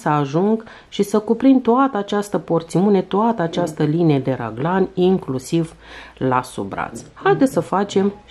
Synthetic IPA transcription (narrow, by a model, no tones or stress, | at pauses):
səaʒuŋɡ | ʃisəkupɾint̪oat̪əat͡ʃast̪əpo̞rt̪siune̞t̪oat̪əat͡ʃast̪əlineed̪e̞ɾa̰ɡlanʲiŋklusiv | lasṵbɾa̰t̪shajd̪esəfat͡ʃe̞m